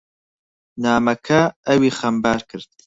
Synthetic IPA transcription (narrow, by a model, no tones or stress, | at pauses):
naːmɐkʰɐɐwiːχɐmbaːɾkʰɨɾd̪̥̚